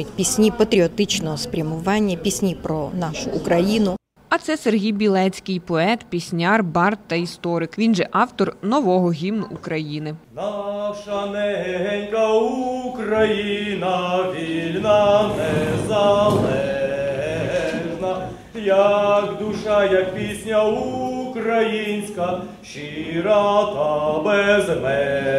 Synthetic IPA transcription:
ɪt̪ʲpʲisʲnʲipɐt̪ɾʲɪɔt̪ɪt͡ɕnɔɦɔspʲɾʲɐmʊʋanʲːjəpʲisʲnʲipɾɔnaʃʊʊkɾɐjinʊ | ɐt̪sɛserɦʲijbʲilˠɛt͡sʲkʲɪjpɔɛt̪pʲisʲnʲɑrbɑrt̪t̪ːɐist̪ɔɾɪkʋʲinʒɛʔɑwt̪ɔrnɔʋɔɦɔɦʲimnʊʔʊkɾɐjinɪnɑʃɐnɛɦɛɦɛnʲkɐukɾɐjinɐʋʲilʲnɐnɛzɐlˠɛɦɛɦɛʒnɐ | jɐkd̪uʃɑjɐk̚pʲisʲnʲɐukɾɐjinʲsʲkɐ | ʃiɾɑt̪ɐbɛzmɛ

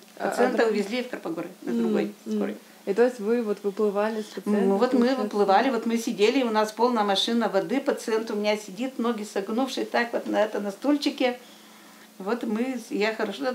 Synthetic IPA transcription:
ɐ̰sɨɛnəʊvʲɪzʲlʲifkəɾpɐɡoɾʲɪnɐd̪ɾʊɡo̞̰jskoɾə̰j | it̪ojɪsʲtʲvɨvot̪vɨplˠɨvalʲɪsʲpəvo̞t̪mɨvɨplˠɨvalʲɪvo̞t̪mɨsʲɪdʲelʲɪʊnaspo̞lˠnəjəmɐʂɨnəvɐd̪ɨpət̪sɨɛnt̪ʊmʲɪnʲasʲɪdʲit̪noɡʲɪsɐɡnufʂɨsʲt̪akvot̪nɐɛt̪ənɐst̪olʲt͡ɕɪkʲɪ | vo̞t̪mɨjaxəɾɐʂo

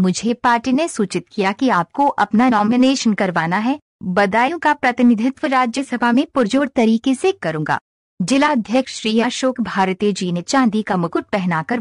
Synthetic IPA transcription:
mʊd͡ʒʱepaːɾʈinesuːt͡ʃɪt̪̚kijakiaːp̚koʔɐpnanɔːmɪneːʃənkɐɾʋaːnaɦɛ | bɐd̪aːjõkapɾɐt̪ɪnɪd̪ʱɪt̪wəɾaːd͡ʒjəsɐbʱaɦmẽpʊɾd͡ʒoːɾt̪ɐɾiːkesekɐɾũːɡa̰ː | d͡ʒɪlaɐd̪ʱjəkʃʃɾiːaːʃoːkbʱaːɾt̪eːd͡ʒiːnet͡ʃãːnd̪ikamʊkʊʈ̪̚pɛɦnakɐɾ

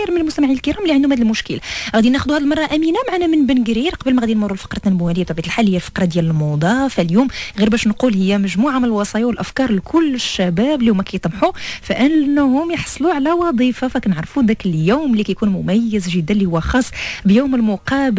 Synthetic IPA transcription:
ɾmənəlmʊst̪æmaʕinəlkəɾˤɑmlːiʕand̪umhæd̪lmʊʃkəlaʔɣæd̪inæxʊd̪uhæd̪lmɑrˤːɑʔæminamaʕanæmənbənɡɾiɾqɑbəlmæɣæd̪inmʊrˤːulfɑ̥qɾˤɑt̪ːænbuænəjːæt̪ˤɑbijt̪lħalːhijːælfɑ̥qɾˤɑd̪jæləlmɑd̪ˤɑfæljumɣiɾbæʃnqulhəjːæmæʒmuʕamənəlwɑsˤɑjawəlʔæfkɑɾˤlkʰʊlːəʃːæbæblihʊmːækæjət̪ˤmħufæʔənʔənːhʊmjəħsˤluʕlæwɑd̪ˤifafækænəʕɾˤfud̪ækəljuwmlːikæjkunmʊmæjːəzʒəd̪ːænlihʊwːæxɑsˤːbjuːməlmʊqɑb

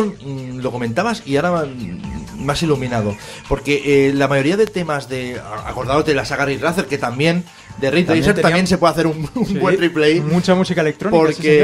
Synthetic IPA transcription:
nlo̞ko̞mẽ̞nt̪aβasiaɾa | masilumĩnað̞o̞ | po̞ɾke̞ʔlamajo̞ɾiaðe̞t̪e̞mazðe̞a̰ko̞ɾðaot̪elasaɣariraθeɾke̞t̪ambje̞n | d̪eriojseɾt̪ambje̞nse̞pweaθe̞ɾumumwe̞riplejmut͡ʃamusikaelek̚t̪ɾonpioɾke

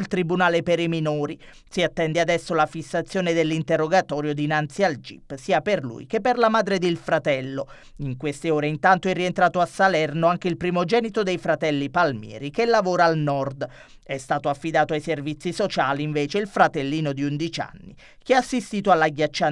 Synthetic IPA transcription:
lt̪ɾibunaːlepeɾiminoːɾi | siat̪ːɛnd̪ead̪ɛsːolafisːat̪sːjoːned̪elːint̪erːoɡat̪ɔːɾjod̪inant̪siald͡ʒḭpːsiːaperlṵjkepːerlamaːd̪ɾed̪ilfɾat̪ɛlːo | iŋkwest̪eoːɾeint̪ant̪oɛrːient̪ɾaːt̪oasːalɛrnoaŋk̟eilpɾimod͡ʒɛːnit̪od̪ejfɾat̪ɛlːipalmjɛ̰ːɾik̟elːavoːɾaːlnɔrd̪ | ɛst̪aːt̪oafːid̪aːt̪oajservit̪sːisot͡ʃaːliːɱveːt͡ʃeilfɾat̪elːiːnod̪iund̪it͡ʃa̰nːḭ | k̟eaasːist̪iːt̪oalːaɡjat͡ʃːa

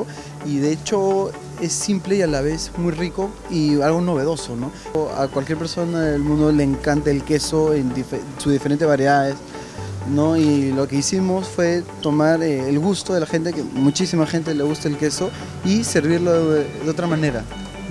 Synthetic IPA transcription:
iðeet͡ʃo̞ | e̞simple̞ialaβ̞e̞smujriko̞ | ialɣo̞no̞βe̞ð̞o̞so̞no̞ | a̰kwalkjeɾpeɾso̞naðelmũnd̪ole̞ːŋkant̪eelke̞so̞end̪ifesuzðifeɾe̞nt̪ezβaɾjeðaðes | no̞ilo̞ke̞isimo̞sfwe̞t̪o̞maɾeːelɣust̪o̞ðe̞laxe̞nt̪ekemut͡ʃisimaxe̞nt̪̬e̞le̞ɣust̪aelke̞so̞ | ise̞ɾβiɾloðeo̞t̪̬ɾamãne̞ɾa

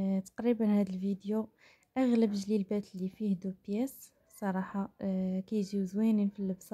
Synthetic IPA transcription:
t̪ɑ̥qɾibənhæd̪əlvid̪jo | ʔæɣləbʒlilbæt̪lːifihd̪upjæs | sˤɑɾˤɑħɑkæjʒiwzwæninfilːəbsɑ

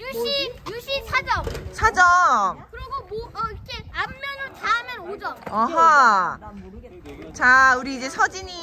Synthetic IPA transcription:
juɕijuɕisʰad͡ʑʌmsʰad͡ʑʌmkɯɾiɡomoikeamːjʌnɯt͡ɕamjʌnod͡ʑʌʌɦʌ | t͡ɕauɾiːd͡ʑe̞sʰʌd͡ʑiɲi

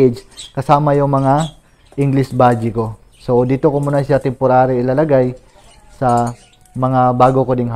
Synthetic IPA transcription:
d͡ʒkɐsaːmɐjʊŋmɐŋa | ʔɪŋɡlɪsbaːd͡ʒɪko̞ | so̞d̪iːt̪okomunɐʃat̪ɛmpoɾaːɾoɪlalɐɡaj | sɐ | mɐŋabaːɡokod̪ɪŋha

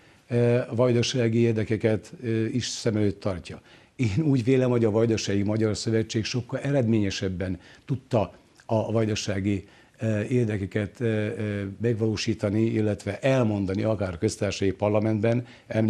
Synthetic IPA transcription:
vɒjd̪oʃaːɡieːrd̪ɛkɛkɛt̪ːiʃsɛmɛløːt̪ʰːɒrcɒ | eːnuːɟʋeːlɛmɦo̞ɟɒvɒjd̪ɒʃɒjimɒɟɒrsø̞vɛt͡ʃːeːkʃo̞kːɒlʔɛɾɛd̪meːɲɛʃɛbːɛnt̪ut̪ːɒ | ɒvɒjd̪ɒʃaːɡi | eːrd̪ɛkɛkɛt̪ | mɛɡʋɒloːʃiːt̪ɒniilːɛt̪ʋɛʔɛlmo̞nd̪ɒniɒkaːrkø̞st̪aːrʃɒjipɒrlɒmɛnd̪bɛn | ɛm

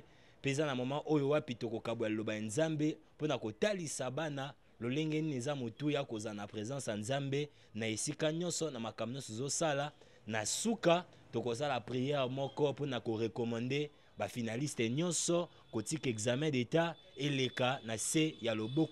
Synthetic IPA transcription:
pezanamamaʔojowapitokokabojaelobajanzambeponakotalisabana | loleŋɡɛninezamotujakozanapʁezɑ̃sjanzambe | naesikaɲɔ̃nsɔnamakamboɲɔ̃sɔzosala | nasuka | tokos̬alapʁijɛʁmɔkɔponakoʁekɔmɑ̃nde | bafinalistɛɲɔnsɔ | kotikekzamɛ̃deta | elekanasejalobo

